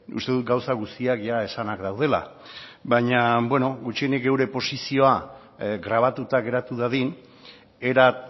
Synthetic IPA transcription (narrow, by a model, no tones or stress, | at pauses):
ṵst̪e̞ðut̪̚ɡawsaɣust̪iakʝae̞sanakd̪awð̞e̞la̰ | bajɲabwe̞no̞ɡut͡ʃienikɡe̞wɾe̞po̞sisio̞a | ɡɾaβ̞at̪ut̪aɣe̞ɾat̪uðaðin | e̞ɾa